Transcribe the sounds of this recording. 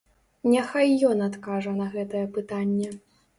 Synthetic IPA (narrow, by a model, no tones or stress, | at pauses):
nʲɛxajːɔnat̪kaʐɐnɐɣɛt̪ɐjɛpɨt̪anʲːɛ